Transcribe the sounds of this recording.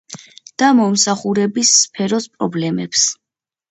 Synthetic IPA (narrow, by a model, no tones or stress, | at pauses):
d̪̥amɔmsaχuɾɛbisːpʰɛɾɔspʼɾɔblɛmɛps